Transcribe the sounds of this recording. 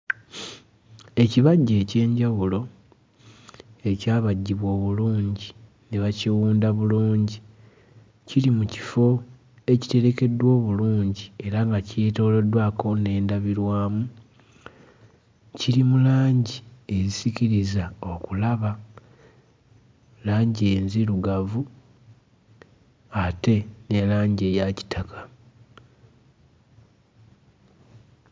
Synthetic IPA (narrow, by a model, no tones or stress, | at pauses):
e̞ciβaɟːe̞ːce̞ːɲɟawulo̞ | e̞caːβaɟːiβwo̞ːβuluːɲɟi | neβaciwuːndaβuluːɲɟi | cilimuci̥fo̞ | e̞ci̥te̞ɾe̞ke̞dwo̞ːβuluːɲɟie̞ɾaŋɡacito̞ːlodwako̞ne̞ːndaβiɾwaːmu | ciɾimulaːɲɟie̞zisiciɾizao̞kulaβa | laːɲɟe̞ːnziɾuɡavu | ate̞ne̞laːɲɟe̞jaci̥tʰakʰḁ